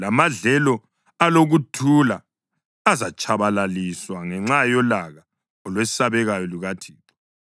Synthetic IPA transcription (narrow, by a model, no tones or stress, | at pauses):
lamaɮɛlɔ | aloɣutʰulaː | zat͡ʃʰʼaβalaliswaŋɛŋ͡ǁajɔlaɣa | ɔlwesi̥saβɛɣajɔliɣatʰiːǁɔ̥